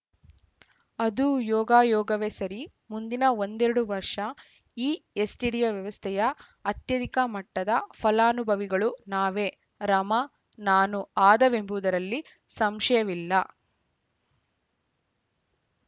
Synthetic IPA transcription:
ɐd̪ujɔːɡaːjɔːɡɐʋeːsɐɾi | mund̪inɐond̪ɛɾuɽuʋɐɾʂɐ | iːesʈiɽijɐʋjɐʋɐst̪ʰɛjɐ | ɐt̪jɐd̪ikɐmɐʈːɐd̪ɐpʰɐlaːnubʱɐʋiɡɐɭunaːʋeː | ɾɐmɐ | naːnuaːd̪ɐʋe̞mbud̪ɐɾɐlːi | sɐmʂɐjɐʋilːɐ

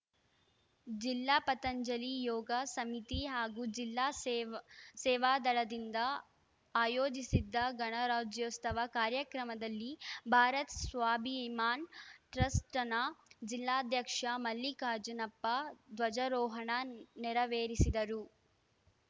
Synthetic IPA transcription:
d͡ʒilːaːpɐt̪ɐɲd͡ʒɐlijɔːɡɐsɐmit̪iɦaːɡud͡ʒilːaː | sɛːʋaːd̪ɐɭɐd̪ind̪ɐ | aːjoːd͡ʒisid̪ːɐɡɐɳɐɾaːd͡ʒjɐst̪ɐʋɐkaːɾjɐkɾɐmɐd̪ɐlːibʱaːɾɐt̪sʋaːbʱiimaːnʈɾɐsʈɐnɐd͡ʒilːaːd̪ʱjɐkʂɐmɐlːikaːd͡ʒɐnɐpːɐd̪ʋɐd͡ʒɐɾɔːɦɐɳɐnɛɾɐʋeːɾisid̪ɐɾu

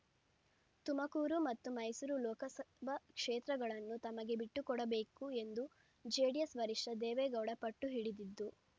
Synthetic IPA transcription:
t̪umɐkuːɾumɐt̪ːumɐjsuɾulɔːkɐsɐbʱɐkʂeːt̪ɾɐɡɐɭɐnːut̪ɐmɐɡe̞biʈːukɔɽɐbe̞ːkue̞nd̪u | d͡ʒeːɽijɐsʋɐɾiʂʈɐd̪eːʋeːɡɐwɽɐpɐʈːuɦiɽid̪id̪ːu

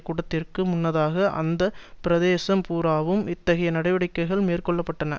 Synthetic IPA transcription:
kːʊɽɐt̪ːɪrkɯmʊnːɐðaːɣɐʔɐ̰nd̪ɐpɪɾɐðeːsɐmpuːɾaːʋɯmɪt̪ːɐɣɐjɐnɐɽɐɪʋɐɽɪkːɐɪɣɐɭmeːrkɔɭːɐpːɐʈːɐnɐ

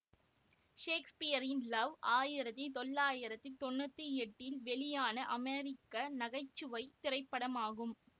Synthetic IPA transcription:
ʂeːkspɪjɐɾɪnlɐʋaːjɪɾɐt̪ːit̪ɔlːaːjɪɾɐt̪ːit̪ɔnːɐt̪ːɯɛʈːɪlʋɛɭɪjaːnɐʔɐmeːɾɪkːɐnɐɣɐɪt͡ʃːɯʋɐɪt̪ɪrɐɪpːɐɽɐmaːɣɯm

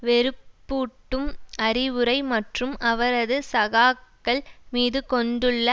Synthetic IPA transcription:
ʋɛɾɯpːuːʈːɯmɐɾɪʋɯɾɐɪmɐʈrɯmɐʋɐɾɐðɯsɐɣaːkːɐɭmiːðɯkɔɳɖɯɭːɐ

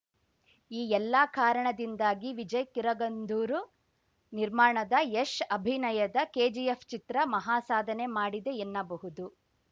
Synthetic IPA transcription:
iːɛlːakaːɾɐɳɐd̪ind̪aːɡiʋid͡ʒɐjkiɾɐɡɐnd̪ʱuːɾu | niɾmaːɳɐd̪ɐeʂɐbʱinɐjɐd̪ɐkeːd͡ʒijepʰt͡ʃit̪ɾɐmɐɦaːsaːd̪ʱɐne̞maːɽid̪e̞enːɐbɐɦud̪u

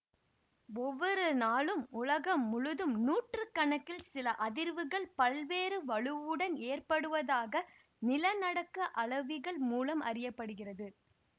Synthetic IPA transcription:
ɔʋːɔɾɯnaːlɯmʊlɐɣɐmːʊɻɯðɯmnuːʈrɯkːɐɳɐkːɪlsɪlɐʔɐðɪɾʋɯɣɐɭpɐlʋeːɾɯʋɐɭɯʋɯɽɐneːrpɐɽɯʋɐðaːɣɐ | nɪlɐnɐɽɐkːɐʔɐɭɐʋɪɣɐɭmuːlɐmʔɐ̰rɪjɐpːɐɽɯɣɪrɐðɯ

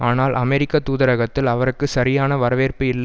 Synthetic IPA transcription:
aːnaːlʔɐmɛɾɪkːɐt̪ːuːðɐɾɐɣɐt̪ːɪlɐʋɐɾɯkːɯsɐɾɪjaːnɐʋɐɾɐʋeːrpɯɪlːɐ

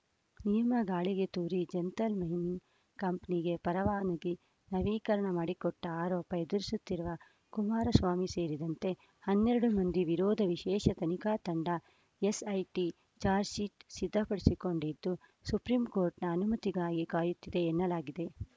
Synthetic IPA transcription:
nijɐmɐɡaːɭiɡe̞t̪uːɾid͡ʒent̪ɐlmɐjnin | kɐmpɐniɡe̞pɐɾɐʋaːnɐɡi | nɐʋiːkɐɾɐɳɐmaːɽikɔʈːɐaːɾɔːpɐed̪uɾisut̪ːiɾuʋɐ | kumaːɾɐsʋaːmise̞ːɾid̪ɐnt̪e̞ | hɐnːeɾɐɽumɐnd̪iʋiɾoːd̪ʱɐʋiʃɛːʃɐt̪ɐnikaːt̪ɐɳɖɐ | esɐjʈi | t͡ʃaːɾsiːʈsid̪ʱːɐpɐɽesiko̞ɳɖid̪ːusupɾimkoːɾʈnɐːnumɐt̪iɡaːɡikaːjut̪ːid̪e̞ːnːɐlaːɡid̪e̞

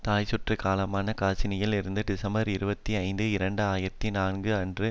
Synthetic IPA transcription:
t̪aːjsʊʈrɯkaːlɐmaːnɐkaːt͡ʃɪnɪjɪlɪɾɯnd̪ɯɖɪsɐmbɐɾɪɾɯbɐt̪ːiɐɪnd̪ɯɪɾɐɳɖɯaːjɪɾɐt̪ːinaːnɡɯɐndrɯ

